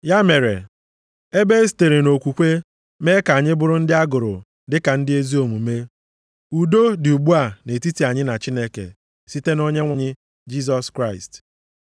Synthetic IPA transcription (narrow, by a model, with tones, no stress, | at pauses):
ja˦me˨ɾḛ˨ | e˦be˦si̥˨te˨ɾe˨no˨kʷu˨kʷe˦ | me˦ka˨ɲɪ˦bʊ˨ɾʊ˦n̩˦dɪ˦a˦ɡʊ˨ɾʊ̰˨ | dɪ˦ka˨n̩˦dɪ˦e˦zi˦o˨mu˨me˦ | u˨do˦dɪ˨u˨ɡ͡bu˦a˨ne˨ti˦ti˨a˨ɲɪ˦na˨t͡ʃi˦ne˦kḛ˨ | si˦te˦no˦ɲe˦ŋʷa˦ɲɪ˦ | d͡ʒi˦s̬ɔ˦skɾa˦ɪ̰˨st